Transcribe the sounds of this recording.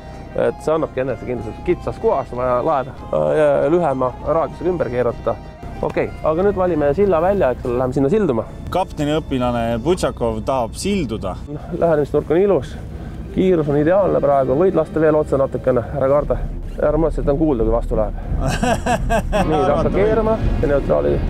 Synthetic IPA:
ḛt̪ˑːse̞ɑnːɑb̥̚ke̞nːesekind̪lɑst̪et̪kit̪sɑskuɑsvɑjɑlɑed̪ɑ | jɑlyɦɛmɑrɑːd̥̪juseɡɑymb̥erkeːɾut̪d̪̥ɑ | ʔo̞̰kːe̞jɑɡ̥ɑnyːd̪vɑlʲimesilːɑvælʲːjɑekselːelæhemesinːɑsild̪umɑ | kɑpt̪enʲiɤpːilɑneput̪ɕɑkːˑo̞vt̪ɑɦɑb̥sild̪ud̪̥ɑnolʔæɦenemist̪nurkːˑo̞nilus | kiːɾusonid̪e̞ɑːlnepɾɑeɡuvɤjd̪lɑst̪ɑve̞ːlo̞t̪senɑt̪ːˑukːˑenehæɾɑkɑrd̪̥ɑɑrmoset̪ːˑonkuːld̪ɑkujvɑst̪uleb̥ | niːɑkːɑkeːɾmɑjɑne̞uwt̪ˑrɑ̰ːlḭ

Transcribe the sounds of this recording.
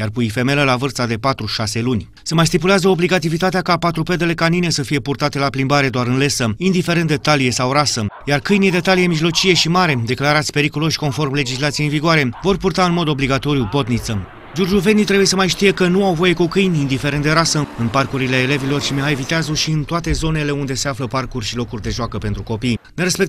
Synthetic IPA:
jarpuife̞me̞ləlavɨrt̪sad̪e̞pat̪ɾuʃase̞lunʲ | səmajs̬t̪ipuleazəo̞bliɡat̪ivit̪at̪eakapat̪ɾupe̞d̪e̞le̞kanine̞səfije̞purt̪at̪e̞laplimbaɾe̞d̪oaɾɨnle̞səind̪ife̞ɾend̪et̪alije̞sawɾasəjarkɨjned̪e̞t̪alije̞miʒlo̞t͡ʃije̞ʃimaɾe̞d̪e̞klaɾat̪sʲpe̞ɾikulo̞ʃʲko̞nfo̞rmle̞d͡ʒislat̪sijeinviɡoaɾe̞vo̞rpurt̪aɨnmo̞d̪o̞bliɡat̪o̞ɾijubo̞t̪nit̪sə | d͡ʒurd͡ʒuve̞nit̪ɾe̞buje̞səmajʃt̪ije̞kənuawvo̞je̞kukɨjnind̪ife̞ɾend̪eɾasəɨnparkuɾileːle̞vilo̞rʃimeɦajvit̪eazoʃiɨnt̪oat̪e̞zo̞ne̞le̞und̪e̞se̞afləparkurʲʃilo̞kurʲd̪e̞ʒoakəpent̪ɾuko̞pijneɾespe̞k

